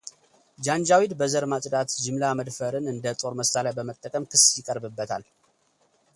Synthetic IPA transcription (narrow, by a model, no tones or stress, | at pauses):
d͡ʒand͡ʒawid̪bəzəɾmat̪ʼd̪at̪d͡ʒɪmlaməd̪fəɾɨnɨnd̪ət̪ʼo̞ɾməsalajbəmət̪ʼːəkʼəmkʰɨsːjɪkʼəɾbɨbːət̪ʰa̰l